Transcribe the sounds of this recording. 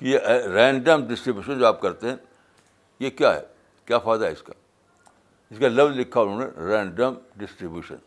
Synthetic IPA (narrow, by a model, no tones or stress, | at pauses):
kijeʔɾɛ̃ːɳɖəmɖɪsʈɾibjuːʃənd͡ʒoaːp̚kɐɾt̪eɦɛ̃ | jekjaːɦɛ̰ | kjaːfaːd̪aɦɛɪskaː | ɪskalɐʋlɪkʰːaonũːnḛɾɛ̃ːɳɖəmɖɪsʈɾibjuːʃə̰̃n